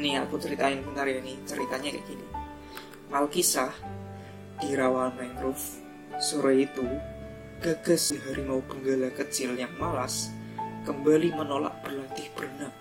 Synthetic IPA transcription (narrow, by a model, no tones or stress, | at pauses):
niakut͡ʃəɾit̪aɪnkənt̪aɾianit͡ʃəɾḭt̪aɲaka̰jkini | malkisah | d̥iɾawalmaŋkɾʊf | suɾait̪u | ɡ̥aɡ̥a̤sdiɦaɾimaub̥əŋɡalakət͡ʃɪljaŋmalas | kəmbalimənola̰ʔ̚b̥ərlat̪ɪhb̥ərnaʔ